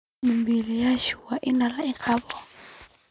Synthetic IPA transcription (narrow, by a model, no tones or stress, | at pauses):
mimbilijaʃuwaʔinalaikʰaːβɔ